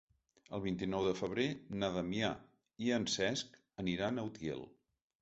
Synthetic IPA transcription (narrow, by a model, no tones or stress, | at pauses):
əlˠβint̪inɔwðəfəβ̞ɾenəðəmia̰ | iənsɛsk | əniɾanəwt̪jḛlˠ